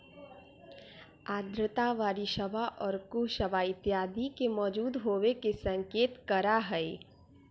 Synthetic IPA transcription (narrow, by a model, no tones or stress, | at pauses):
aːd̪ɾət̪aʋaːɾiʃəbaʔɔːɾkuʃəbaɪt̪jaːd̪ʱikemɔːd͡ʒuːd̪ɦoːwekesɐ̃ŋkeːt̪kɐɾaɦɛe